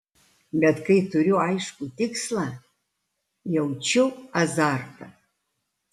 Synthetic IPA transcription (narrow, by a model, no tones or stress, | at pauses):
bʲɛt̪kɐɪtʊɾʲʊɐɪʃkut̪ʲɪkslˠɐ | jɛwt͡ʃʲʊɐzartɐ̰